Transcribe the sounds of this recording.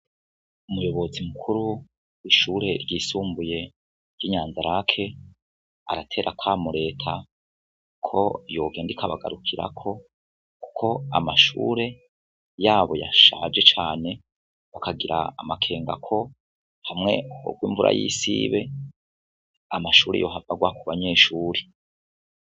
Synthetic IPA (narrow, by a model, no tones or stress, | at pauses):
umujo̞βo̞zimukʰuɾu | wiʃuːɾe̞ɾɟiːsuːmbuje̞ | ɾjiɲaːnzaɾakʰe̞ | a̰ɾatʰe̞ːɾʔakwaːmuɾe̞ːtʰa | kʰo̞̰jo̞ːɡe̞ːndikaβaɡa̰ɾukʰiɾa̰kʰo̞ | ku̥kʰo̞amaʃṵːɾe̞ | jaːβo̞ja̰ʃad͡ʒe̞t͡ʃaːne̞ | βakaɡiɾʔa̰amakʰe̞ːŋɡa̰kʰo̞ | hamŋe̞o̰ɡɡwiːɱvuɾa̰jḭːsiβe̞ | amaʃuːɾḛjo̞ːɦavaɡwakuβaɲe̞ːʃuːɾe